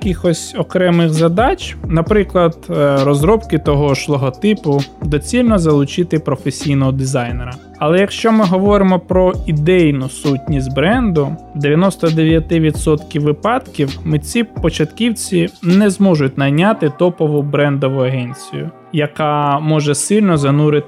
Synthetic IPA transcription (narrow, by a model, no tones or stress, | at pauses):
kʲixɔsʲɔkɾɛmɪxzɐd̪ɑt͡ʃʲnɐpɾɪklˠɐd̪rɔzɾɔpkɪt̪ɔɦɔʃlˠɔɦɔt̪ɪpʊd̪ɔt͡sʲilʲnɔzɐlˠʊt͡ʃɪt̪ɪpɾɔfesʲijnɔɦɔd̪ɪzɑjneɾɐ | ɐlˠɛjɐkʃt͡ʃɔmɪɦɔʋɔɾɪmɔpɾɔid̪ɛjnʊsutʲnʲisʲtʲbɾɛnd̪ʊ | d̪eʋʲjɐnɔst̪ɔd̪eʋʲjɐt̪ɪʋʲid̪sɔt̪kʲiwʋːɪpɑd̪kʲiwmɪt͡sʲipɔt͡ʃɐt̪kʲiwt͡sʲinɛzmɔʒʊt̚ʲnɐjnʲat̪ɪt̪ɔpɔʋʊbɾɛnd̪ɔʋʊɐɦɛnʲt͡sʲijʊ̰ | jɐkɑmɔʒɛsɪlʲnɔzɐnuɾɪt̪